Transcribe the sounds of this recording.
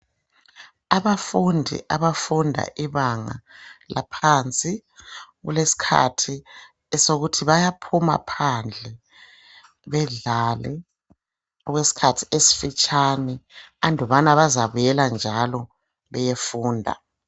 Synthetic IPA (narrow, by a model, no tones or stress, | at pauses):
aβafundʱḭʔaβafundʱa̰ʔiβaŋa̰la̰pʰant͡sʼiɣṵlesi̥kʰa̰tʰi | ɛsoɣutʰiβajapʰuma̰pʰand͡ɮʱɛ | βɛɮalɛ̰ | ɔɣwesi̥kʰatʰi̥esi̥fit͡ʃʼanɛandʱɔβanaβazaβujɛland͡ʒʱalɔ | βɛjefuːndʱa̰